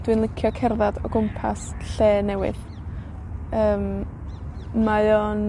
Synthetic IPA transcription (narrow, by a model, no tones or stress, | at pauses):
d̥wɨnlˠɪkʰjɔkʰɛrðadɔɡʊmpʰa̰sɬeːnɛwɪ̰ð | əːm | majon